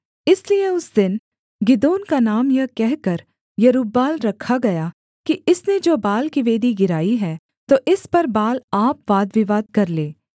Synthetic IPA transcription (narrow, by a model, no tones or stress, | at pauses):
ɪslieʊsd̪ɪn | ɡɪd̪oːnkanaːmjɐɦkɛɦkɐɾ | jɐɾuːbːaːlɾɐkʰːaɡɐjaː | kiɪsned͡ʒoːbaːlkiʋeːd̪iɡɪɾaːiɦɛː | t̪oːʔɪspɐɾbaːlaːpʋaːd̪ʋɪʋaːd̪̚kɐɾleː